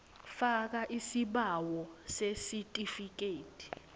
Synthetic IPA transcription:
fak̬aʔisiɓawɔsesitʼifik̬ʼeːtʰʼi̥

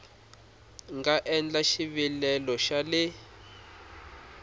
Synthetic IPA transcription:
ŋɡaʔɛnd͡ɮaʃiβilɛlɔʃalɪ

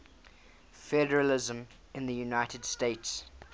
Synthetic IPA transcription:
fɛdəɹəlɪzə̃m | ɪ̃nðəjunaɪtʰəd̥steɪts

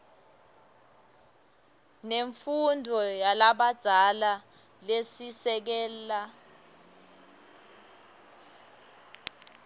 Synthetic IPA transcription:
neɱfundʱɔjalaɓad̥z̥ʱala | lesisɛk̬ɛːlːa

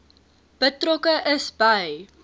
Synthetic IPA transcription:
b̥ətrɔkəʔəsbɐj

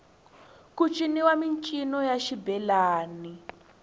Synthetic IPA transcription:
kut͡ʃʼiniwamint͡ʃʼinɔjaʃibɛlaːni

